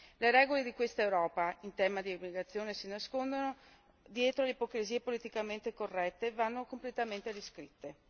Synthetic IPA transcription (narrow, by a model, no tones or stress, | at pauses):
leɾɛːɡoled̪ikwest̪aewɾɔːpaint̪ɛːmad̪iobliɡat̪sːjoːnesinaskond̪ono | d̪jɛːt̪ɾoleipokɾiziːepolit̪ikament̪ekorːɛt̪ːevanːokomplet̪ament̪eɾiskɾit̪ːe